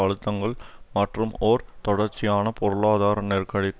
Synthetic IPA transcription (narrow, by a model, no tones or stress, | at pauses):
ɐɻɯt̪ːɐŋɡɐɭmɐʈrɯmoːɾt̪ɔɽɐɾt͡ʃːɪjaːnɐpɔɾɯɭaːðaːɾɐneːrkɐɻɪk